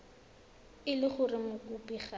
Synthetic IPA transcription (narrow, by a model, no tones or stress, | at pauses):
ɪlɪχʊrɪmʊkʊpiχa